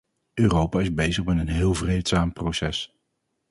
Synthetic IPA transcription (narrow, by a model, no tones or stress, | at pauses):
øːrowpaːɪzbejzəχmɛtənɦɪːlˠvrejtsaːmprowsɛs